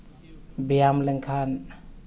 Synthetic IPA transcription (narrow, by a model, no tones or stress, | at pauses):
bijamlɛŋkʰan